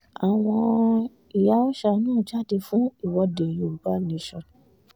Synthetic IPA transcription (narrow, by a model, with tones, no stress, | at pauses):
a˨w̃ɔ̃˧ | i˨ja˨˦ɔ˦ʃa˧˨˦nãː˦˨d͡ʒa˦˨de˧fũ˦i˦˨wɔ˧de˨jo˨u˨k͡pa˦nĩ˧˦ʃɔ˨